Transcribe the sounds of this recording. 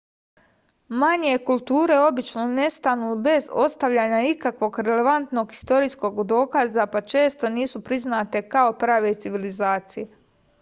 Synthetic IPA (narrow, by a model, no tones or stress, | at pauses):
maɲe̞kulˠt̪uːɾe̞o̞bit͡ʃno̞ne̞st̪anube̞zo̞st̪aʋʎaːɲaikakʋo̞ɡɾe̞le̞ʋant̪no̞ɡi̥st̪o̞ɾiːsko̞ɡd̪o̞ːkazapat͡ʃe̞ːst̪o̞niːsupɾiznaːt̪e̞kao̞pɾaːʋe̞t̪siʋilizaːt̪sije